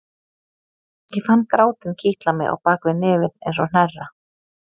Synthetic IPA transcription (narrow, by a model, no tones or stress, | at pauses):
jɛfanːkɾaːwt̪ɪncʰiht̪lamɪ̰a̰wpaːkvɪnɪːvɪðḛjns̬ɔn̥ɛrːa